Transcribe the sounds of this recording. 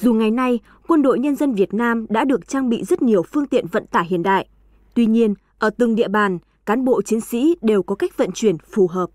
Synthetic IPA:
zu˨˩ŋa˨˩jna˧j | kwə˧nɗo̰˧˨jɲə˧nzə˧nvi˨˩ət̚naː˧mɗa̰ː˧˥ɗɨ˨˩ək̚t͡ɕaː˧ŋɓḭ˧˨zə˦˥t̚ɲi˨˩əwfɨ˧əŋt̪ḭ˧˨ənvə̰˧˨nt̪aː˧˩ɦḭ˧˨ənɗa̰ː˧˨jʔ | t̪wi˧ɲi˧ən | ʔəː˧˩t̪ɨ˨˩ŋɗḭ˧˨əɓaː˨˩n | kaː˨˦nɓo̰˧˨t͡ɕi˨˦əŋsḭ˧˥ɗe˨˩wkɔ˨˦ka˦˥jk̚və̰˧˨nt͡ɕwi˧˩ənfu˨˩ɦəː˨˩p̚

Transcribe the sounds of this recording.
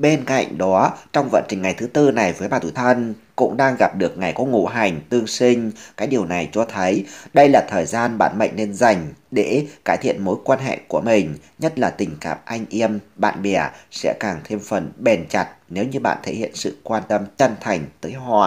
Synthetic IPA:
ɓe˧nka̰˧˨jŋ̟ɗɔ˨˦t͡ɕɔ˧wŋ͡mvə̰˧˨nt͡ɕï˨˩ŋ̟ŋa˨˩jt̪ʰɨ˨˦t̪ɨ˧na˨˩jvəː˨˦jɓaː˨˩t̪ʰu˧˩t̪ʰə˧nkʊ̰˧˥ŋ͡mɗaː˧ŋɣa˨˩p̚ɗɨ˨˩ək̚ŋa˨˩jkɔ˨˦ŋṵ˧˩ɦa˨˩jŋ̟t̪ɨ˧əŋsi˧ŋ̟kaː˨˥kɗi˨˩əwna˨˩jt͡ɕɔ˧t̪ʰə˨˦jɗə˧jlaː˨˩t̪ʰəː˨˩jzaː˧nɓa̰ː˧˨nmə̰˧˨jŋ̟ne˧nza˨˩jŋ̟ɗe˧˩kaː˧˩jt̪ʰḭ˧˨ənmo˨˦jkwaː˧nɦḛ˧˨ku˧˩əmï˨˩ŋ̟ | ɲə˦˥t̚laː˨˩t̪ï˨˩ŋ̟ka̰ː˨˩p̚ʔa˧jŋ̟ʔi˧əmɓa̰ː˧˨nɓɛ˧˩əsɛ̰˧˥kaː˨˩ŋt̪ʰe˧mfə˨˩nɓe˨˩nt͡ɕa˨˩t̚ne˨˦wɲɨ˧ɓa̰ː˧˨nt̪ʰe˧˩hḭ˧˨ənsɨ̰˧˨kwaː˧nt̪ə˧mt͡ɕə˧˩nt̪ʰa˨˩jŋ̟t̪əː˨˦jɦɔ̰˧˨

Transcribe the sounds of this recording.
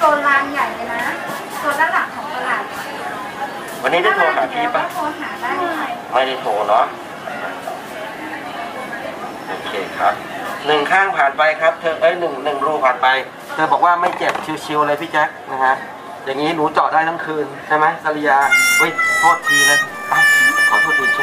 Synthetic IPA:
t̪o˧nlaː˧n˧ja˨˩jka˧na˦˥ | t̪u˧na˧˥da˨˩p̚sʰɔː˨˩˦ŋt̪a˧laː˨˩t̪̚a˨˧˩a˧˩˧ | wa˧nːiː˦˥da˥˩jt̪ʰoː˧nɦaː˨˩˦p̪ʰiː˥˩a˨˩o˧nhaː˨˩˦a˥˧˥ma˥˩da˥˩t̪ʰoː˧˩nɔ˦˥ | a˧˩˧ | ʔoː˧kʰeː˧kʰɾa˦˥p̚ | nɯ˨˩ŋkʰaː˥˩ŋpʰaː˨˩npa˧jkʰɾa˦˥p̚t̪ʰɤː˧ʔɤː˦˥˩nɯ˨˩ŋnɯ˨˩ŋɾuː˧˩pʰaː˨˩npa˧j | t̪ʰɤː˧bɔː˨˩k̚waː˥˩ma˥˩jt͡ɕe˨˩p̚t͡ɕʰi˧wt͡ɕʰi˧wʔa˧la˧pʰiː˥˩t͡ɕɛ˦˥k̚na˦˥kʰa˦˥ʔ | jaː˨˩ŋːiː˦˥nuː˨˦˥t͡ɕɔː˨˩daː˥˩t̪ʰa˧˥˩ŋkʰɯː˧nt͡ɕʰa˥˩jma˦˥jsa˧li˧jaː˧wə˦˥˩jt̪ʰoː˥˩t̪̚ːʰiː˧lɤ˧ʔa˧˩kʰa˨˦wt̪ʰu˥˩t̪ʰiː˨˩˦t͡ɕʰ

